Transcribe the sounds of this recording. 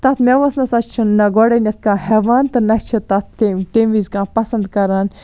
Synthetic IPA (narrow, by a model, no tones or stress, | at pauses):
t̪ɐt̪ʰmeʋɐsnɐsɐt͡ʃt͡ʃʰunːɐɡoɽɐnʲɐt̪̚ʰkãːɦɛːʋaːnt̪ɐnɐt͡ʃʰɨt̪ɐt̪eʈemʋizkãːpɐsɐnd̪kɐɾaːn